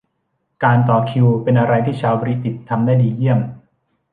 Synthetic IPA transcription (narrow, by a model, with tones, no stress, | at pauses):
kaː˧nt̪ɔː˨˩kʰi˧wpe˧nʔa˧ɾa˧jt̪ʰiː˥˩t͡ɕʰaː˧wbɔ˧ɾi˦˥t̪i˨˩t̪ʰːa˧mdaː˥˩diː˧ji˥˩əm